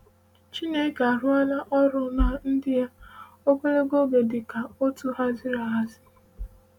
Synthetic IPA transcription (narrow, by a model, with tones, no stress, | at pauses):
t͡ʃi˦ne˦ka˨ɾʊ˦a˦la˦ʔɔ˦ɾʊ˦na˦n̩˦dɪ˦ja˦ | o˦kʷe˦le˦ɡo˦ɡe˨dɪ˨ka˨o˦tu˦ɦa˦zɪ˦ɾa˦ɦa˦zɪ̥˦